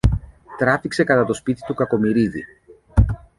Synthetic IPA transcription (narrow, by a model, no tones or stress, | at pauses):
t̪ɾɐfikse̞kɐt̪ɐt̪o̞spit̪i̥t̪ukɐko̞miɾiðḭ